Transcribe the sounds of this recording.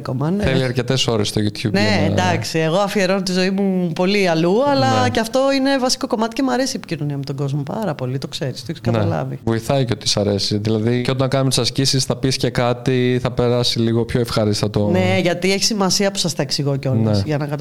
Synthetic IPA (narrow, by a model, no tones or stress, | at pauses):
komɐnθeliɐɾce̞t̪eso̞ɾest̪ojut̪çubned̪ɐksie̞ɣo̞ɐfie̞ɾo̞not̪izo̞imupo̞liɐluɐlɐceɐft̪o̞ine̞vɐsi̥ko̞ko̞mɐt̪i̥ce̞muɐɾe̞siepi̥cino̞niɐmet̪oɡo̞zmo̞pɐ̰ɾɐpo̞lit̪o̞kse̞ɾist̪oeçiskɐnɐlɐ̰vḭvo̞iθɐiceot̪isɐɾesiðilɐðicot̪ɐnkɐnumet̪i̥sɐscisisθɐpisce̞kɐt̪iθɐpe̞ɾɐsiliɣo̞pçoefxɐɾist̪ɐt̪oneʝɐt̪ieçi̥simɐsiɐpu̥sɐst̪ɐeksiɣoco̞lnɐesʝɐnɐkɐt̪